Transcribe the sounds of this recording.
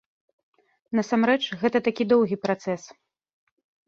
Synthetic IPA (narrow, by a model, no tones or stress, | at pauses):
nɐsamɾɛt͡ʂɣɛt̪ɐt̪akʲid̪ɔwɣʲipɾat̪sɛs